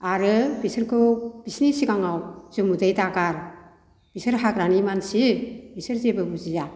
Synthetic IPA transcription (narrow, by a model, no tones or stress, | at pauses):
aɾɯbisɯɾkʰɯb̥isnisiɡaŋawzɯmudajtaɡaɾ | b̥isɯɾɦakɾanimansibisɯɾzebɯbuzija